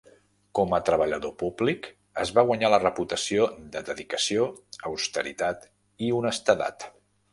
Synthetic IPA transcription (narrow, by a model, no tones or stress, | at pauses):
kɔmət̪ɾəβəʎəðopublik | əzβaɣwaɲalərəput̪əsiod̪əd̪əðikəsioəwst̪əɾḭt̪at̪ | iunəst̪əða̰t̪